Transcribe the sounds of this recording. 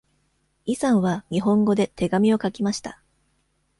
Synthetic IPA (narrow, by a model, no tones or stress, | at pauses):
isãɰ̃βaɲ̟iɦõ̞ŋɡo̞d̪e̞t̪ʰe̞ɡamʲio̞kakʲimaɕi̥t̪a